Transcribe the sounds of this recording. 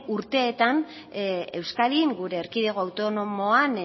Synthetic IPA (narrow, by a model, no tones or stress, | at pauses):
uɾt̪e̞ːt̪an | e̞wskaɾiŋɡuɾe̞ːɾkiðe̞ɣ̞o̞awt̪o̞no̞mo̞an